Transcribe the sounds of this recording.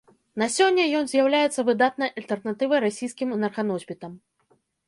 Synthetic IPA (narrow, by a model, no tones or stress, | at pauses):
nasʲɔnʲːɐjɔnzʲjawlʲajɛt̪sːɐvɨd̪at̪̚nɐjʔɐlʲt̪ɛrnat̪ɨvɐjɾasʲijskʲimnɐrkanɔzʲbʲit̪ɐm